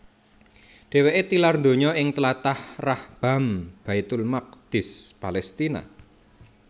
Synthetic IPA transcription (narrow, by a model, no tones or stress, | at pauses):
ɖ̪̥e̤weʔet̪ilarnd̪o̤ɲɔɪŋt̪əlat̪ahrahb̥a̤mb̥ait̪ʊlmaq̚d̪̥ɪ̤spalɛst̪ina̰